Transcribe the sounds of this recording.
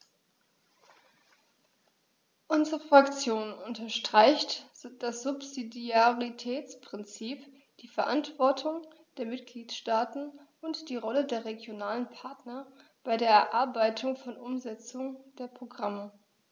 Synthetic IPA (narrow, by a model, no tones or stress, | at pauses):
ʔʊnzəʁəfʁ̥akt͡sjoːnʊntɐʃtʁ̥aɪçtd̥asz̥ʊpzidiaʁitʰɛːt͡spʁ̥ɪnt͡siːp | d̥iːfɛɐʔantv̥ɔɐtʰʊŋ | d̥eːɐmɪtɡ̥liːtʃtaːtn̩ʔʊntd̥iːʁɔlədeːɐʁeɡjonaːlənpʰaɐtnɐb̥aɪdeːɐɛɐʔaɐbaɪtʰʊŋfɔnʔʊmzɛt͡sʊŋd̥eːɐpʁ̥oɡʁamə